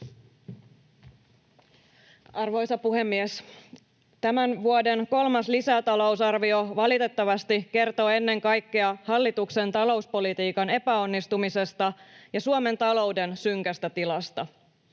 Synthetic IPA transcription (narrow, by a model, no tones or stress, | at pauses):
ɑrʋo̞jsɑpuɦe̞mːies | t̪æmænʋuode̞nko̞lmɑslisæt̪ɑlo̞wsɑrʋio̞ʋɑlit̪e̞t̪ːɑʋɑst̪ike̞rt̪o̞ːenːe̞ŋkɑjkːeɑhɑlːit̪ukse̞nt̪ɑlo̞uspo̞lit̪iːkɑne̞pæo̞nːist̪umise̞st̪ɑjɑsuome̞nt̪ɑlo̞wde̞nsyŋkæst̪æt̪ilɑst̪ɑ